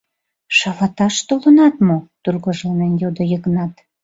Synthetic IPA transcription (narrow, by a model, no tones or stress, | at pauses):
ʃɑlɑt̪ɑʃt̪olənɑt̪mot̪urɣoʒlənenjod̪ojəɣnɑt̪